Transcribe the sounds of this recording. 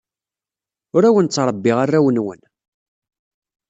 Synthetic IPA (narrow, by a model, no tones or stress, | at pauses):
ʊɾæwənt͡sːɾˤəbːɪʁarːæwənwə̰n